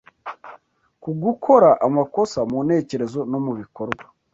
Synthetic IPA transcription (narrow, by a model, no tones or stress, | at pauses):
kuɡukʰo̞ɾaʔamako̞samune̞ːce̞ɾe̞zo̞no̞muβiko̞ɾɡwḁ